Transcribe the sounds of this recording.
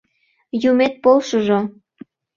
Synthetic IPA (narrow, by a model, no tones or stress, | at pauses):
jumet̪̚polʃəʒo